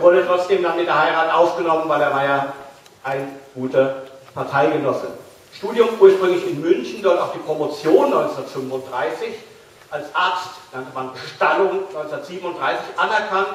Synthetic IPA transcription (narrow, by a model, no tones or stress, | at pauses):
vʊɐɾətʁ̥ɔt͡sd̥eːmdanmɪndɐɦaɪʁaːtʔaʊfɡ̥ənɔmənvaɪleːɐvaɐja | ʔaɪnɡ̥uːtəpʰaɐtʰaɪɡənɔsə | ʃtuːdjʊmʔuːɐʃpʁ̥ʏŋlɪçɪnmʏnçn̩dʊɐtaʊxd̥iːpʁ̥omot͡sjoːnːɔʏnt͡sn̩dɐtfʏmfʊntd̥ʁaɪsɪç | ʔalsʔaɐt͡stdaŋtəmanbəʃtalʊŋnɔʏnt͡snɐtz̥iːbən̩ʊndʁaɪsɪçʔanɛɐkʰant